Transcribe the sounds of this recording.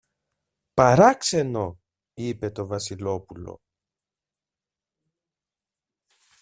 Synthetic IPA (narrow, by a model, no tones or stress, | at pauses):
pɐɾɐkse̞no̞ | ipe̞t̪o̞vɐsilo̞pulo̰